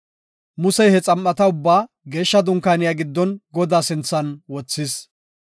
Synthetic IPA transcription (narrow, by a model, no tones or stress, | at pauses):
mʊsɛjhɛt͡sʼɐmʔːɐt̪ɐʊbːaː | ɡe̞ːʃːɐd̪ʊŋkaːnɪjaɡɪd̪ːɔnɡɔd̪aːsɪnt͡sːɐnwɔt͡sːɪs